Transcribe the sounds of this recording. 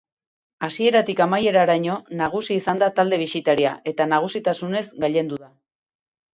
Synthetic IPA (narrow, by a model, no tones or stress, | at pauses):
asie̞ɾat̪ikamaje̞ɾaɾaɲo̞naɣ̞usiːsand̪at̪ald̪e̞βisit̪aɾia̰e̞t̪anaɣ̞usit̪asune̞zɡaʎe̞nd̪uða